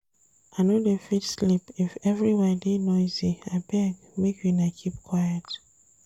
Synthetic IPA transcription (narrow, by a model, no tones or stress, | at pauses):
anodefitslipifɛvɹiwɛdenɔɪziabɛɡ | mekʰjunaɪkʰip̚kʰwajat